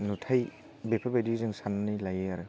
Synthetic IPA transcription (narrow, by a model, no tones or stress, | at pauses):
nutʰaj | bepʰabajdizɯŋsannilajɯaɾɯ